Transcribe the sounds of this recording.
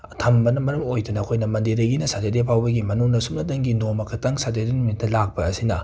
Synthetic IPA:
tʰɐmbɐnɐmɐɾɐmojdunɐːkʰojnɐmɐndeɾɐɡinɐsatedepʰawbɐɡimɐnuŋnɐsumnɐdɐŋɡinomɐkʰɐtɐŋsatedenumitːɐlak̚pɐɐsinɐ

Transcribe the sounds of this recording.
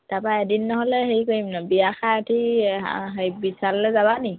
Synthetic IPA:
tapaɛdinːɔɦɔlɛɦeikoimnɔbijaxaatʰi | ɦejbisallɛzaβani

